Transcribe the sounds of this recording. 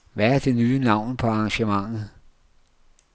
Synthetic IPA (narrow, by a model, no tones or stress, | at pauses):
ʋææɐd̥e̝nyːnɑ̈ʊ̰npʰɒ̽ɑ̈ŋɕəmɑ̈ŋ̰ð̩ˠ